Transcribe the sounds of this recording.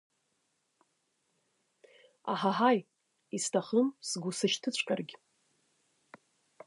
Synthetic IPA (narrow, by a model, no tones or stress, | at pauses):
a̰ħaɦaj | istʰaχəmsɡʷusɨʃtʰɨt͡ɕʷʰʼkʲʼarɡʲ